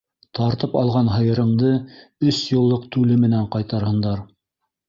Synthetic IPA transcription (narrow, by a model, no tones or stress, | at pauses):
t̪ɑɾt̪ɤpɑlˠʁɑnɦɤ̆jɤ̆ɾɤ̆ɴd̪ɤɵsjŏlˠːɤqt̪ʉlɘmɘ̆næɴqɑjt̪ɑɾhɤ̆nd̪ɑɾ